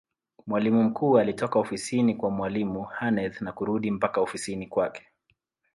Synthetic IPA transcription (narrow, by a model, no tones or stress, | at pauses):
mwalimum̩kuːalitɔkaɔfisinikwamwalimuhanɛðnakuɾuɗim̩pakaɔfisinikwakɛ̥